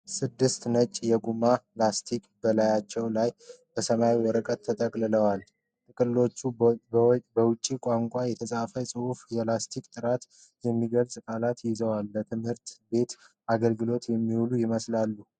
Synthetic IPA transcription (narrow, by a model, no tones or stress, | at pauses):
sɨd̪ːɨst̪nət͡ʃʼːjɛɡumalast̪ʰikʼbəlajat͡ʃːɛwlaj | b̥əsəmawiwɔɾəkʼət̪ʰːət̪ʼəkʼlɨləwal | t̪ʼɨkʼɨlːo̞t͡ʃːu | bəwʊt͡ʃʼːikʷʼaŋkʷʼajɛt̪ʰəsʼafəsʼɨhufjɛlast̪ʰikʼt̪ʼɨɾat̪ | jɛmːiɡəlsʼkʼalat̪jɪzəwalbət̪ʰɨmhɨɾt̪be̞t̪ | aɡəlɡɨlo̞t̪jɛmːihulujɪməslalːu